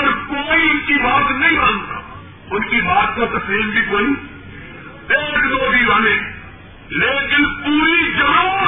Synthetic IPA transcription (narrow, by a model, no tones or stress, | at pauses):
əɾkoːiːʊnkiːbaːt̪nɐɦĩːãːnt̪a̰ː | ʊnkiːbaːt̪t̪õt̪əseːmbʱiːkoːiː | t̪eːkd̪oːd̪iːʋaːnẽː | leːkɪnpuːɾiːd͡ʒəɽoː